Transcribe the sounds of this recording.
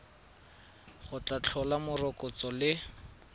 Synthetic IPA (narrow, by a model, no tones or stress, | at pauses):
χʊt͡ɬat͡ɬʰɔlamʊrɔkɔt͡sɔlɪ